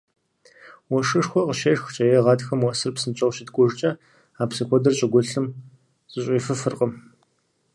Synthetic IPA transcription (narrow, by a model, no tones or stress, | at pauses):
wɔʂɨʂxʷɔqəʃeʂxʷt͡ʃʼɐjɛʁɑːtxɐmwɔsɨrpsɨnt͡ʃʼɐwɕɪtɡʷʊʐt͡ʃʼɐ | aːpsixʷɔdɐrɕʼɐɡʷʊɬɨm | t͡sʼɪɕʼiːfɨfɨrqəm